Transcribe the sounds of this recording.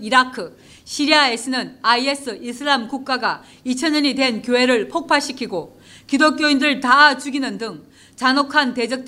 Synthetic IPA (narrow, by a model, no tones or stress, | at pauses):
iɾakʰɯ | ɕʰiɾiaesʰɯnɯnaies͈ʰɯʔisʰɯɭːamkuk̚k͈aɡa | it͡ɕʰʌɲʌɲidwe̞nkjoɦe̞ɾɯɭpʰok̚pʰaɕ͈ʰikʰiɡo | kidok͈joindɯɭtat͡ɕuɡinɯndɯŋ | t͡ɕanokʰante̞d͡ʑʌk̚t͈